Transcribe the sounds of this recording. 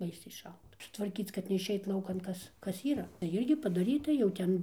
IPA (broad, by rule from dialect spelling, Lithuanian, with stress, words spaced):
ˈbɐɪsʲɛɪ ˈʃɐlˠtɐ tʋɐrʲˈkʲiːt͡s kɐt nʲɛɪʃʲˈɛɪt ˈlˠɐʊkɐn ˈkɐs ˈkɐs ˈiːrɐ tɐɪ ˈɪrʲɡʲɪ pɐdɐˈrʲiːtɐ jɛʊ ˈtʲɛn